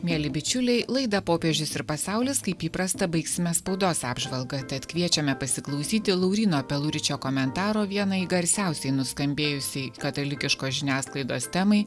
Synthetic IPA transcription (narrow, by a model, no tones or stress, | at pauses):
mʲeːlʲɪbʲɪt͡ʃʲʊlʲɛɪlˠɐɪd̪ɐpoːpʲeɛʒʲʊsɪɾpɐsɑˑʊlʲɪskɐɪpiːpɾɐst̪ɐbɐɪksʲɪmʲɛspɐʊd̪oːsɑːbʒʋɐlˠɡɐt̪ʲɛt̪kʋʲiɛt͡ʃʲɛmʲɛpɐsʲɪklˠɐʊsʲiːt̪ʲɪlˠɐʊɾʲiːnoːpʲɛlˠʊɾʲɪt͡ʃʲoːkɔmʲɛnt̪ɑːɾoːʋʲiɛnɐiɡɐɾʲsʲæˑʊsʲɛɪnʊskɐmʲbʲeːjʊsʲɛɪkɐt̪ɐlʲɪkʲɪʃkoːʒʲɪnʲæːsklˠɐɪd̪o̰ːst̪ʲɛmɐɪ